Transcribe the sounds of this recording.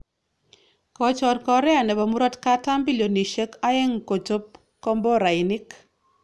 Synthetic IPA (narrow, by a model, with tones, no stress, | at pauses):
kɔ˨t͡ʃɔ˨ɾkɔ˨ɾɛ˦a˨nɛ˨ba˨mu˦ɾɔ˦tka˦ta˦mbi˦ljo˨ni˨ʃe˦ka˦ɛ˦ŋko˨to˦p̚ | kɔ˦mbɔ˦ɾa˨ɪ˨nɪ˦k